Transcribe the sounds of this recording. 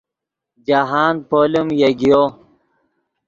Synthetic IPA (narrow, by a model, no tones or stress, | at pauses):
d͡ʑaɦaːnpoːlimjeɡijo